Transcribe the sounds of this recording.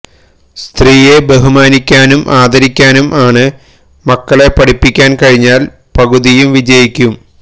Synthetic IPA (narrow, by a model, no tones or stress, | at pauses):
st̪riːje̞beɦumaːnikʲːaːnumʔaːd̪ɐɾikʲːaːnumʔaːɳɨ | mɐkːɐɭe̞pɐɽipːikʲːaːnkɐɻiɲːaːl | pɐɡuðijumʋid͡ʑɐjikʲːum